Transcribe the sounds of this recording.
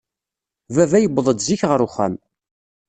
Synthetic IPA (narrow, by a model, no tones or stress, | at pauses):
vævæjəbːðˤəd̪ziçʁəɾʊχæ̰m